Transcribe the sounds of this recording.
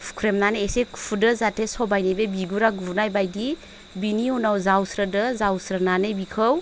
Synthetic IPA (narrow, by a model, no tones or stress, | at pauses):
pʰkʰɾemnaneesekʰpʰudɯzatʰesɔbajnebebiɡuɾaɡubnajbajdi | biniunawzawsɾədɯzawsɾənanebikʰɯw